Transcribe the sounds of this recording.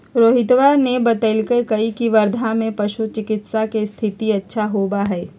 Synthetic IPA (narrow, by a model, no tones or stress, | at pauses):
ɾoːɦɪt̪ʋaɾnebɐt̪əlkekɐikiʋɐɾd̪ʱamẽpɐʃut͡ʃɪkɪt̪sakest̪ʰɪt̪iɐtːʃʰaɦoːbaɦɛː